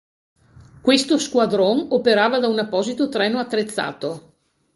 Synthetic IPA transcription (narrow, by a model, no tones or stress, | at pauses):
kwest̪oskwad̪ɾonopeɾaːvad̪aunapːɔːzit̪ot̪ɾɛːnoat̪ːɾet̪sːa̰ːt̪o